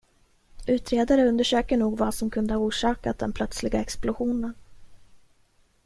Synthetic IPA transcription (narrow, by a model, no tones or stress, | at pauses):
ʉ̟ːt̪ɾeːd̪aɾəɵnd̪əʂøːkəɳuːɡvasɔmkʰɵnd̪əhauːʂɑːkat̪̚d̪ɛnpʰlœt̪slɪɡaɛksplʊɧuːnən